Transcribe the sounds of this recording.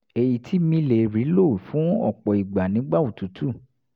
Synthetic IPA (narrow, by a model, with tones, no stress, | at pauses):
e˨ji˨tʰi˨˦mĩ˧le˨ɾi˨˦lo˦˨fũ˨˦ɔ̰˦˨k͡pɔ˨i˨ɡ͡ba˨nĩ˨˦ɡ͡ba˦u˨tu˨˦tʰu˦˨